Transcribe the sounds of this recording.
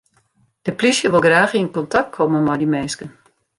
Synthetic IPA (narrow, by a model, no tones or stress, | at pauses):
d̥əplisjəʋɪlˠɡraːxiənkɔntak̚t̚kʰɔməmɔjdimeːskən